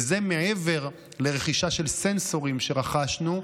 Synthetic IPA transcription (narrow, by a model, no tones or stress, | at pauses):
ze̞meeve̞ʁ | le̞ʁe̞χiʃaʃe̞lsenso̞ʁimʃe̞ʁaχaʃnu